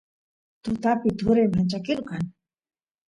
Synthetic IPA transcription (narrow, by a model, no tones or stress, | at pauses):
t̪ʊt̪apɪt̪ʊɾajmant͡ʃakɪɾkaŋ